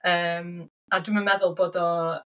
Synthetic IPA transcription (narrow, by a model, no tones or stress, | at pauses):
əːm | aduməmɛðʊlˠboːdɔ